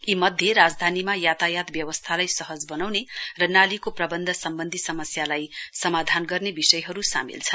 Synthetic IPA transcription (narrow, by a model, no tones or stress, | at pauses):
imʌd̪ʱjeɾad͡zd̪ʱanimajat̪ajat̪bjʌwʌst̪ʰalajsʌɦʌd͡zbʌnawnerʌnalikoprʌbʌnd̪ʱʌsʌmbʌnd̪ʱisʌmʌsjalajsʌmad̪ʱanɡʌrnebisʌjɦʌɾusa̰mḭlt͡sʰʌn